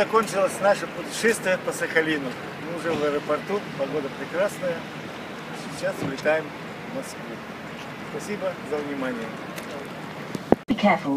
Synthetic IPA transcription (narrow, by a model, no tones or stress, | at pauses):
ɐkonʲt͡ɕɪlˠəsʲnaʂəpʊtʲɪ̥ʂɛst̪vʲɪjəpəsəxɐlʲinʊ | mɨʊʐɛvəɛɾəpɐrt̪upɐɡo̞d̪əpɾʲɪkɾasnəjə | sʲɪt͡ɕːasvlʲɪt̪ajɪm | vmɐskvu | spɐsʲibəzəvnʲɪmanʲɪjə | b̥ikʰɛfʊlˠ